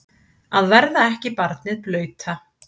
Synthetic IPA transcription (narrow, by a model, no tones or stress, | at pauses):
aðvɛɾðaɛhcɪpaɾt̪̚nɪðplœːɥt̪ʰa